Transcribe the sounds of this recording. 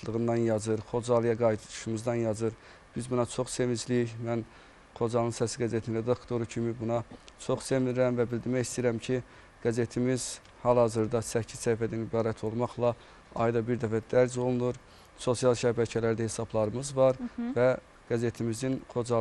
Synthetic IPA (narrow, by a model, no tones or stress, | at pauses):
t̪ʰlˠɯɣɯnd̪ɑnjɑzɯɾχo̞d͡ʒɑlˠijɑɡɑjt̪ʰɯd̪u̥ʃumuzd̪ɑnjɑzɯɾ | b̥izbunɑt͡ʃʰo̞χse̞mid͡ʒlijiçmæn | χo̞d͡ʒɑnˠɯnsæsiɡæzet̪ʰnɾe̞d̪ɑkt̪o̞ɾucʰimibunɑt͡ʃʰoχsemiiɾæmvæbild̪iɾmæjist̪ijiɾæmcʰi | ɡ̥æze̞t̪ʰimiz̥ | hɑlˠhɑzɯɾd̪ɑsæcʰːizsæjfæd̪ænibɑːɾæt̪ʰo̞lˠmɑχlˠɑ | ɑ̰jd̪ɑbiɾd̪æfæd̪̥æɾs̬o̞lˠunuɾ | so̞sijɑlˠʃæbæcʰælæɾd̪æhe̞sɑblˠɑɾɯmɯzvɑɾvæ | ɡ̥æze̞t̪ʰimizinχo̞d͡ʒɑ